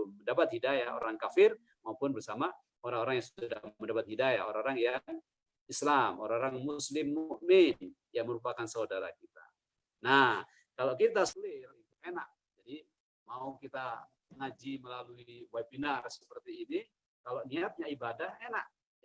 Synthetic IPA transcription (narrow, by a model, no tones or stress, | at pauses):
məndapat̪̚hidajao̰ɾaŋkafɪr | maupʊnbərsama | oɾaŋoɾaŋjaŋsddaməndapat̪̚hidajao̰ɾaŋoɾaŋjaŋ | islamo̰ɾaŋoɾaŋmuslɪmːuʔmɪn | jaŋməɾupakansaudaɾa̰kit̪a̰ | nah | kalokit̪asulɪrit̪uenaʔ̚ | d͡ʒadi | maukit̪a | əŋad͡ʒiməlaluiwaibinarsə̥pərt̪iːni | kaloniat̪̚ɲaibadahena̰ʔ̚